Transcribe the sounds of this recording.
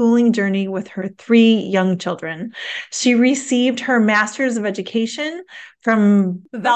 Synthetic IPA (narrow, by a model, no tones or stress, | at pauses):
ulˠɪ̃ŋd͡ʒɜ˞niwɪð̥ə˞θɹijʌ̃ŋt͡ʃʰɪlˠdɹɨ̃nʃiɹɪsivd̚hə˞mæstə˞zʌvɛd͡ʒɨkʰeɪʃɨ̃nfɹʌ̃mvɛ